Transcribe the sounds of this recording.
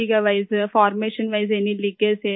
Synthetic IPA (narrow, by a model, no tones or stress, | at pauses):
ikɐʋɐɪsfaːɾmeːʂɐnʋɐjs̬ɛnːilːikːeseː